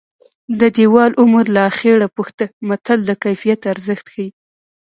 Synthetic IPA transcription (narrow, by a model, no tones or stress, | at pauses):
d̪əd̪ewɑlʔʊməɾlaːxeɽapuxt̪əmat̪ald̪əkajfijat̪aɾzəxt̪xawi